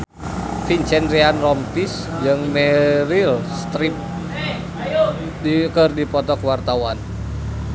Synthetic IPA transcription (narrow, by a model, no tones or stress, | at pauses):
fint͡ʃɛndɾianrɔmt̪is | d͡ʒɨŋmɛɾilst̪ɾip̚ | ikərdipɔt̪ɔkəwart̪awan